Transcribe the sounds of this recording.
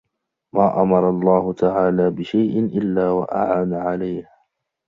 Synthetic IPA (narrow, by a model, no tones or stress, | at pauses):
maːʔamɑɾˤɑlˤːɑːhʊt̪aʕaːlaːbɪʃajʔɪnʔɪlːaːwa̰ʔa̰ʕaːnaʕalajh